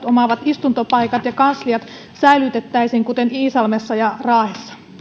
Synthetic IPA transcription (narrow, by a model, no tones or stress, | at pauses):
t̪omɑʋɑt̪ist̪unt̪opɑjkɑt̪jɑkɑnsliɑt̪ | sæilyt̪et̪ːæisiŋkut̪e̞niːsɑlmesːɑjɑrɑːhesːɑ̥